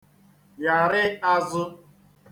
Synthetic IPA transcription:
ja˨ɾɪ˦a˦zʊ˦

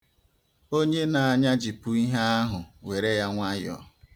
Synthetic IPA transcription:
o˦ɲe˦na˨a˨ɲa˦d͡ʒi˨pu˦i˦ɦa˦a˦ɦʊ˨we˨ɾe˦ja˦ŋʷa˦jɔ̰˨

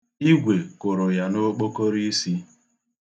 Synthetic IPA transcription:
i˦ɡʷe˨kʊ˨ɾʊ˨ja˨no˦k͡po˦ko˦ɾi˦si˦

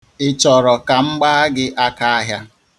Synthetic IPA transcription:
ɪ˦t͡ʃɔ˨ɾɔ˨ka˨ŋ͡m̩˦ɡ͡ba˦a˦ɡɪ˦ʔa˦ka˦a˦ɦja˦

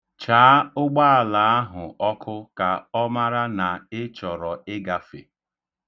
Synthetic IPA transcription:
t͡ʃaː˨˦ʊ˦ɡ͡ba˦a˨la˨a˦ɦʊ˨ʔɔ˦kʰʊ˦ka˨ɔ˦ma˦ɾa˦na˨ɪ˦t͡ʃɔ˨ɾɔ˨ɪ˦ɡa˨fḛ˨

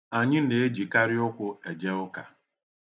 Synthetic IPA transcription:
a˨ɲɪ˦n̩˦de˨e˦d͡ʒi˨ka˦ɾɪ˦ʊ˦kʷʊ˦e˨d͡ʒe˦ʊ˦ka˨

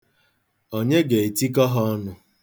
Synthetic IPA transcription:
o˨ɲe˦ɡe˨e˨ti˦k̬ɔ˦ɦɔ˦ɔ˦nʊ˦

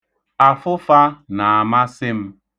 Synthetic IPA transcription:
a˨fʊ˦fa˦na˨a˨ma˦sɪ˦m̩˦

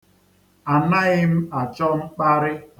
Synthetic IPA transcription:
a˨na˦ɣɪ˦m̩˦a˨t͡ʃɔ˦ŋ͡m̩˦k͡pa˦ɾɪ˦

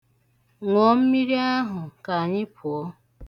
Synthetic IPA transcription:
ŋʷɔ˨˦m̩˦mi˦ɾi˦a˦ɦʊ˨ka˨ɲɪ˦pʰʊ˨ɔ˦

